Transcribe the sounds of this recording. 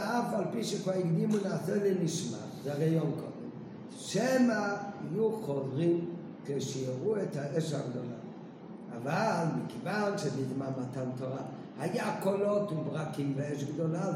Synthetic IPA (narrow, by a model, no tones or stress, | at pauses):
afalpiʃekaiɡdimunaːseleniʃma̰zeʁajonko̰dem | ʃemahijuχodʁim | keʃieʁuet̪haʔeʃaɡd̪o̞la̰ | avalmikevanʃedid̪mamat̪antoʁa | hajakolo̞t̪umbʁakimveeʃɡd̪ola